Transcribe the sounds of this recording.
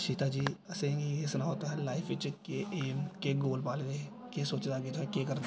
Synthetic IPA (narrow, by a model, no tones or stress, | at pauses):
ʃiːt̪ad͡ʒiːɐsẽesʊnaɦoːt̪aɦɛlaːɪfʰɪt͡ʃɪkːeʔeːmkeɡoːlpaːlɡe | kesoːt͡ʃd̪aɡet̪oɦɛkekɐɾd̪